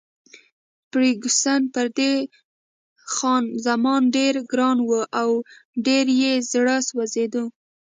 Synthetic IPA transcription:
pɽiɡusanpəɾd̪e | xɑnzamɑnɖeɾɡɾɑnwəʔawɖeɾjezɽəswazed̪u

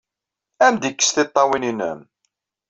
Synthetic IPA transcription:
æmd̪ikːə̥sθɪt̪ˤːɑwininə̰m

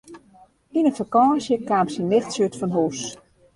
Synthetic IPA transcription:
inənfakɔːsjəkaːmsinɪxtsjøtfɔnɦuːs

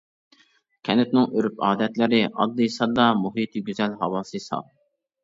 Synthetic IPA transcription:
kʲʰɛnɪt̪̚nɪŋøɾyp̚ɑːd̪ɛt̪lɪɾɪɑ̰d̪ːɨjsɑd̪ɑmuɦit̪ʰiɡʲyzɛlɦɑwɑːsɨsɑ̰lˠ

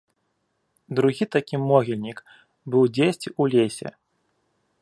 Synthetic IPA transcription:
d̪ɾuɣʲit̪akʲimɔɣʲilʲnʲik | bɨwd͡zʲesʲt͡sʲiulʲesʲɛ̰

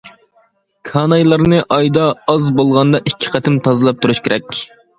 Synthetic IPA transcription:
kʰɑnɑjlˠɑɾnɨʔɑjd̪ɑɑzbolˠʁɑnd̪ɑʔit͡ʃʲʰːi̥qʰæt̪ʰɪmt̪ʰɑzɨlˠɑp̚t̪ʰuɾuʃkʲʰeɾɛkʲ

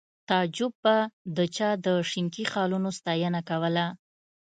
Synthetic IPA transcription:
t̪ɑd͡ʒʊb̚ːad̪ət͡ʃɑd̪əʂɪmkixɑlunost̪ɑjənakawəla

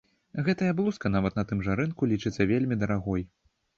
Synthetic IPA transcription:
ɣɛt̪ɐjɐblˠuskɐnavɐt̪nɐt̪ɨmʐaɾɨnkulʲit͡ʂɨt̪sːɐvʲelʲmʲid̪ɐɾaɣɔj

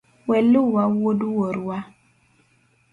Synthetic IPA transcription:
wɛlʊwawoduwoɾwa

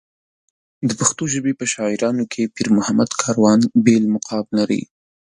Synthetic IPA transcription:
d̪əpaxt̪oʒəbepəʃɑɪɾɑnokʰepiɾmʊhamad̪kʰɑɾwɑnbelmʊqʰɑblaɾḭ

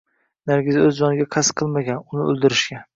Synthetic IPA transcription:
naɾɡʲɪzɪɵzd͡ʒɒnɪɡʲaqʰasqʰɨlˠmaɡʲanʊnɪɵ̰lˠd̪ɪɾɪʃɡʲan

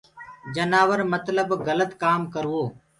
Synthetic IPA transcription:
d͡ʒənaːʋəɾmət̪ləbɣələt̪kaːmkəɾʋoː

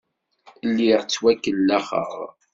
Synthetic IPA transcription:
lːiʁt͡sːwækːəlːæχə̰ʁ

